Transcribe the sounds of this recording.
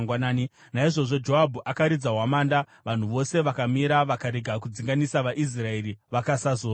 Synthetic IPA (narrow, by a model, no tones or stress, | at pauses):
ŋɡwanaːni | naiʐo̞ʐo̞d͡ʒo̞abʱuʔakaɾid͡zaɦwamaːnda | ʋan̤uʋo̞se̞ʋakamiɾaʋakaɾeɡʱak̬ud͡ziŋɡanisaʋaʔis̬raeɾiʋakasazoː